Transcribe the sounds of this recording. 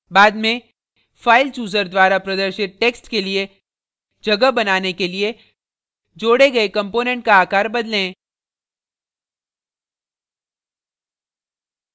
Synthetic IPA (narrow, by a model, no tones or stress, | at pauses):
baːd̪mẽ | faːɪlt͡ʃuːzəɾd̪waːɾapɾɐd̪əɾʃɪt̪̚ʈeːksʈkelie | d͡ʒɐɡəbɐnaːnekelie | d͡ʒoːɽeɡɐekɐ̃mpoːnɛ̃ɳʈ̚kaaːkaːɾbɐd̪lẽː